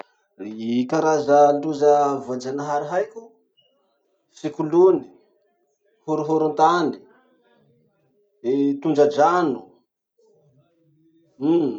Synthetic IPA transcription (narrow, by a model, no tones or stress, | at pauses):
kaɾazəluzəvad͡ʒanaɦaɾiɦajkʲu | fikuluni̥ | huɾuɦuɾunt̪ani̥ | et̪und͡ʒəd͡ʒanu